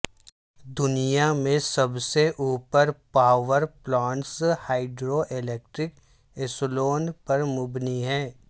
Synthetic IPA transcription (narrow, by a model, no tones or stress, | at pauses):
d̪ʊnijamẽsɐbseʔuːpəɾpaːʋəɾplaːɳshaːɪɖɾoʔɪleːk̚ʈɾɪk | ɪsloːnpɐɾmʊbniɦɛ̃ː